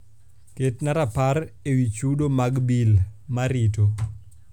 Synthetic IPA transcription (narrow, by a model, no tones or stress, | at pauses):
ketnaɾapaɾewit͡ʃuɗomaɡbilmaɾito